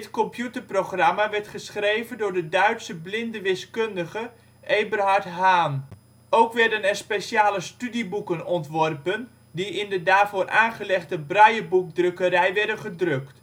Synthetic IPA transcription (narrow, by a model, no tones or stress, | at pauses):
tkɔmpʰjutərproχramaʋɛɹtχəsχrejvəndʊːrdədœɥtsəblɪndəʋɪskɵndəχə | ʔejbərɦartɦaːn | owkʋɛrdənɛrspesjaːləstydibukənɔntʋɔrpən | diɪndədaːfʊːrʔaːnχəlɛχdəbrajəbuk̚drøkəɾɛjʋɛdənχədrøkt